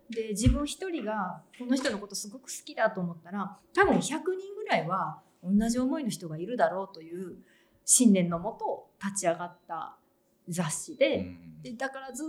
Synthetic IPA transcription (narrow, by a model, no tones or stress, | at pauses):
d̪e̞d͡ʑibɯ̟̃ɰ̃çi̥t̪o̞ɾʲiɡako̞no̞ç̬i̥t̪o̞no̞ko̞t̪o̞sɨɡo̞kɯ̟̥sɨ̥kʲid̪at̪o̞ːmo̞t̪ːaɾat̪abɯ̟̃ɰ̃çakɯ̟ɲ̟ĩŋɡɯ̟ɾaiβa | õ̞nːaʑio̞mo̞ino̞ç̬i̥t̪o̞ɡaiɾɯ̟d̪aɾo̞ːt̪o̞jɯ̟ː | ɕĩnd̪ẽ̞nːo̞mo̞t̪o̞t̪at͡ɕiaɡat̪ːa̰ | zaɕːid̪e̞d̪̥ed̪akaɾaz